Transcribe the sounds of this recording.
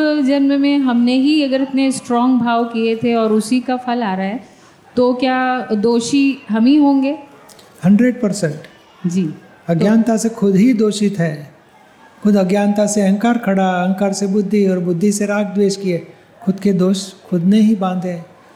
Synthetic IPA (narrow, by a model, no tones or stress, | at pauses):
d͡ʒɐnmmẽɦɐmneɦiɐɡəɾɐt̪nesʈɾɔ̃ːŋɡbʱaːʋkiet̪ʰeɔːɾʊsikapʰɐlaːɾaɦɛː | t̪okjaːd̪oːʃiɦɐmɦiɦõːŋɡeː | hɐ̃ɳɖɾeɖ̚pɐɾsɛ̃ɳʈ | d͡ʒiː | ɐɡjaːnt̪asekʰʊd̪ɦid̪oːʃɪt̪ɦɛː | kʰʊd̪ɐɡjaːnt̪aseɐ̃ŋkaːɾkʰɐɽaɐ̃ŋkaːɾsebʊd̪ʱːiɔːɾbʊd̪ʱːiseɾaːkd̪weːʃkieː | kʰʊd̪ked̪oːʃkʰʊd̪neɦibãːnd̪ɦẽː